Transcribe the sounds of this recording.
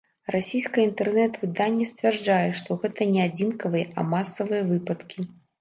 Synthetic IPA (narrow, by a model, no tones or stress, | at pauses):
rasʲijskɐint̪ɛrnɛt̪vɨd̪anʲːɛsʲt͡sʲvʲɛrd͡ʐajɛʂt̪ɔɣɛt̪ɐnʲɛad͡zʲinkɐvɨjɛʔɐ̰masɐvɨjɐvɨpɐt̪kʲi